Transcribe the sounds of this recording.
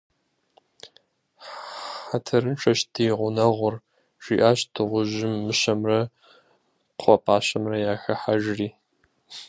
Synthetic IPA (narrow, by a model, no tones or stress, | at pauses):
ħatʰɐɾɨnʈ͡ʂʰɐʃdʰiːʁʷʊnɐʁʷʊr | ʒ̥ʷiːʔaːɕdʰɨʁʷʊʑɪmːɨɕɐmrɐ | qʷʰɔpʰʼaːɕɐmrɐjaːxɐħaʒriː